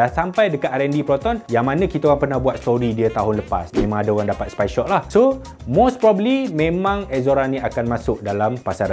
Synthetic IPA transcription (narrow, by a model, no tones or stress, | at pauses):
ansampajdəkat̪̚aɾɛndipɾɔt̪ɔnjaŋmãnãkit̪aɣaŋpərnahbuat̪̚st̪oɾidiət̪aɦʊnləpa̰smẽmãŋadaɔɣaŋdapat̪spajʃɔʔ̚lahso | mospɾɔbəlimẽmãŋɛzoɾanĩakanmãsʊk̚dalampasaɾa